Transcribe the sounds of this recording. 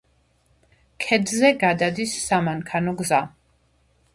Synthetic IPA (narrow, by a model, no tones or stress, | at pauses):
kʰɛd̪zɛɡad̪ad̪isːamaŋkʰanɔɡza